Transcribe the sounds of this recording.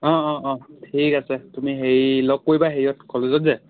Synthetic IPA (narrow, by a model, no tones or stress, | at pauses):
ɔ̃ɔ̃ʔɔ̃tʰikasɛtumiɦejlɔɡ̚kːojbaɦejiɔtkʰɔlezɔtzɛ